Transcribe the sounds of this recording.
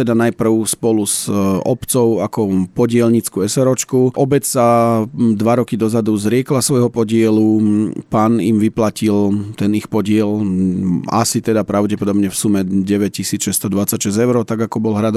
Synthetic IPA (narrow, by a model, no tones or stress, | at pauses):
t̪ɛd̪anajpr̩ʊspɔluzɔpt͡sɔʊakɔpɔɟɪɛlɲit͡skuɛsɛɾɔt͡ʃkuʔɔbɛt͡ssad̪ʋaɾɔkid̪ɔzad̪uzɾɪɛklasʋɔjɦɔpɔɟɪɛlupaːnimʋiplacilt̪ɛnixpɔɟɪɛl | a̰sit̪ɛd̪apɾaʊɟɛpɔd̪ɔbɲɛfsumɛɟɛʋɛc̚cisiːt͡sʃɛst̪ɔd̪ʋat͡sacʃɛzɛʊɾɔt̪aɡakɔbɔlɦɾad̪